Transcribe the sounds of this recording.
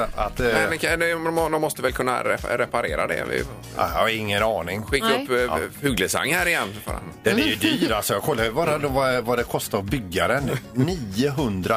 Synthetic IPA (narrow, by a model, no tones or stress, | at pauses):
at̪mɛd̪ɛkʰad̪ɛɔd̪ɔmːɔst̪əvɛlkʰɵnːa̰ɾɛ̰ɾɛpaɾeːɾa̰d̪ɛ̰vɪ̰ | aɪŋːənɑːnɪŋɧɪkːaɵpːhʉːɡləsa̰ŋːhæːɾɪjɛnːfɾ̰ | d̪̥ɛnɛɾjɵd̪yːɾalsɔjaːɡkʰɔlːajɵbɑːɾad̪ɔvavad̪ɛkʰɔst̪abʏɡːaɾənniːəɦɵnd̪ɾa